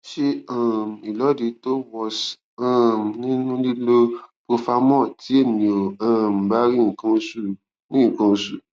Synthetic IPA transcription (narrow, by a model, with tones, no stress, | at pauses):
ʃe˦ã˦˨m˨i˨lɔ˨˦di˨˦to˦wɔ˧s | ã˨mnĩ˦nũ˦li˦lo˦pɾo˧fa˧mɔ̃˦˨tʰi˨˦e˦˨nĩ˨o˨ã˨m̩˨ba˦ɾĩ˦ŋ̩˨kã˧su˦˨ | nĩ˦˨kã˧o˧su˨